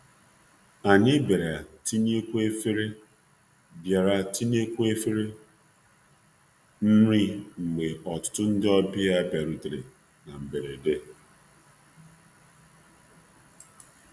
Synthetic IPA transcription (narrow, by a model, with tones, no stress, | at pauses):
a˨nɪ˦be˨ɾa˨ti˦n˦e˦kʷu˦e˦fe˦ɾe˦ | bja˨ɾa˨ti˦n˦e˦kʷu˦e˦fe˦ɾe˦ | n̩˦ɾi˦ŋ͡m̩˨ɡ͡be˨ʔɔ˨tʊ̥˦tʊ˦n̩˦dɪ˦ɔ˦bi˦ja˦be˨ɾu˨tɾḛ˨ | na˨m̩˨be˨ɾe˨de˦